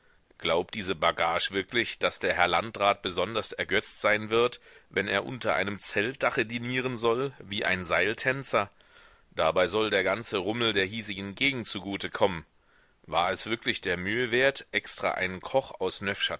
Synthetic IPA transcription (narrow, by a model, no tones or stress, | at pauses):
ɡ̥laʊp̚d̥iːzəbaɡaːʃv̥ɪɐklɪçd̥asd̥eːɐɦɛɐlantʁ̥aːt̚b̥əzɔndɐstɛɐɡœt͡stz̥aɪnvɪɐtvɛneːɐʔʊ̰ntɐʔa̰ɪnəmt͡sɛlt̚d̥aχədiːniːʁ̞ənzɔlviːʔa̰ɪnzaɪltʰɛnt͡sɐ | d̥abaɪzɔldeːɐɡant͡səʁʊml̩deːɐɦiːzɪɡŋ̩ɡeːɡŋ̩tt͡suɡuːtəkʰɔmən | va̰ːɐɛsv̥ɪɐklɪçd̥eːɐmyːəveːɐtʔɛkstʁ̥a̰ːʔaɪnənkʰɔχa̰ʊsnœfʃa